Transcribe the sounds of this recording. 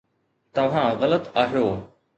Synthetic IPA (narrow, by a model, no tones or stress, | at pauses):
t̪ɐʋ̤ãːɣɐlət̪aːɦjoː